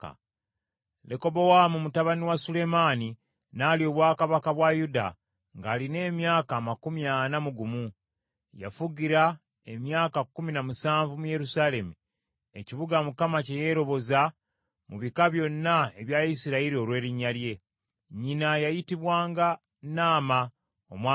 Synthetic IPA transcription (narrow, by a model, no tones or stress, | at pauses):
leko̞bo̞wamumutaβaniwasule̞maːni | naːlio̞βwaːkaβakaβwajuda̰ | ŋɡaːline̞ːmjaːkaːmakumjanamuɡumu | ja̰fuɟiɾa | e̞mjaːkakːuminamusaːɱvumuje̞ɾusaːle̞mu | e̞̰ciβuɡamukamaceje̞ːɾo̞βo̞za | muβikaβjo̞nːae̞βjajisiɾaiɾio̞lwe̞ːɾiɲːalje̞ | ɲinajajitiβwaːŋɡa | naːma | o̰mwa